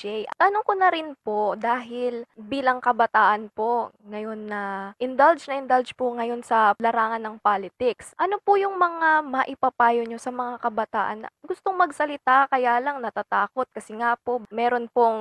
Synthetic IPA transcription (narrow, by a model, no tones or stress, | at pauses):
ɛjt̪ɐnoŋkonɐɾɪnpo̞d̪aːɦɪlbiːlɐŋkɐbɐt̪aːʔɐnpo̞ŋɐjo̞nːɐʔɪnd̪ɐld͡ʒnɐʔɪnd̪ɐld͡ʒpoŋɐjo̞nsɐlɐɾaːŋɐnːɐŋpaːlɪt̪ɪksʔɐnopʊjʊŋmɐŋamɐʔɪpɐpaːjoɲosɐmɐŋakɐbɐt̪aːʔɐnːɐɡʊst̪oŋmɐɡsɐlɪt̪akɐjalɐŋnɐt̪at̪aːko̞t̪̚kɐsɛŋapo̞ʔmɛːɾo̞npoŋ